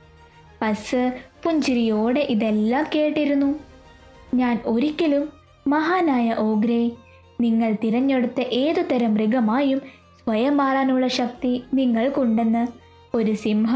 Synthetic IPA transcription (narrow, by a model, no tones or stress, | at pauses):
pɐsɨpuɲd͡ʑiɾijoːɽeʔiðelːaːmke̞ːʈːiɾunːu | ɲaːno̞ɾikʲːilumː | ɐɦaːnaːjɐʔo̞ːɡɾej | niŋːɐɭt̪iɾɐɲːeɽut̪ːɐʔeːðut̪ːɐɾɐmriɡɐmaːjum | sʋɐjɐmaːraːnuɭːɐɕɐk̚t̪iniŋːɐɭkuɳɖe̞nːɐ | o̞ɾusimɦɐ